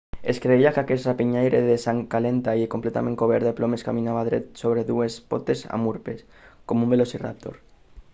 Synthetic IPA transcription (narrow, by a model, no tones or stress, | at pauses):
eskɾeiakakerapiɲajɾeðesaŋkalent̪aiekomplet̪a̰mẽŋkoβ̞eɾðeplomeskaminaβaðɾet̪soβ̞ɾeðuespot̪esa̰muɾpes | komumbelosira̰p̚t̪o̰ɾ